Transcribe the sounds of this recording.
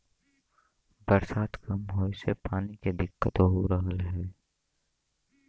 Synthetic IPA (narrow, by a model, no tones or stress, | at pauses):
bəɾsaːt̪kɐmɦoːsepaːniked̪ɪkːət̪oɦoɾəɦəlɦɛː